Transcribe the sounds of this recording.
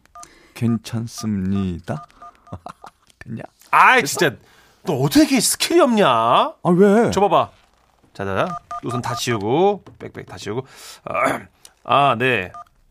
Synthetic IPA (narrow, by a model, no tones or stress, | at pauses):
kent͡ɕʰans͈ɯmɲid̥a | teɲa̰ | ait͡ɕint͡ɕ͈a | t͈oʌtʰʌkʰekʰesʰɯ̥kʰiɾiʌmɲaawet͡ɕʌbaba | t͡ɕad͡ʑaat͈osʰʌntat͡ɕʰiuɡop͈ek̚p͈ḛk̚tat͡ɕʰiuɡo̰ | ane̞